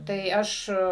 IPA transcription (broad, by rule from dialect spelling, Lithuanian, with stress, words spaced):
tɐɪ ˈɐʃ